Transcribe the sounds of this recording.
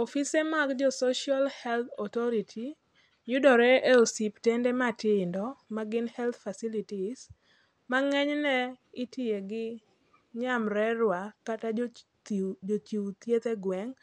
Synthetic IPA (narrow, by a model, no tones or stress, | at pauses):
ɔfisemaɡd͡ʒɔsɔʃialhɛlt̪ʰɔt̪ɔɾitʰi | jʊdɔɾɛʔɛsiptɛndɛmatɪndɔmaɡɪnhɛlt̪fasilitis | maŋɛɲnɛɪtieɡɪ | ɲamɾɛɾwakata | td͡ʒot͡ʃiwt̪jet̪eɡwɛŋ